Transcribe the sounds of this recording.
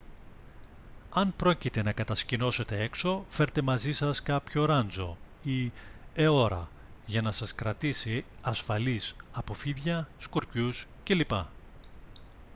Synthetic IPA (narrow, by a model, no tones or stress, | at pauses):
ɐnpɾo̞cit̪e̞nɐkɐt̪ɐscino̞se̞t̪e̞e̞kso̞fe̞ɾt̪e̞mɐzisɐskɐpço̞ɾɐnd͡zo̞ | ieo̞ɾɐ̰ | ʝɐnɐsɐskɾɐt̪isiɐsfɐlisɐpo̞fiðʝɐskuɾcusce̞lipɐ